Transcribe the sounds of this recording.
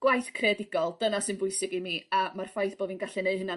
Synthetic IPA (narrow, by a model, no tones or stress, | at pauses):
ɡ̥wajθkʰredɪɡɔlˠd̥ənasɨnbʊɨsɪɡimiamarfajθb̥oːdvinɡaɬɛneɨhəna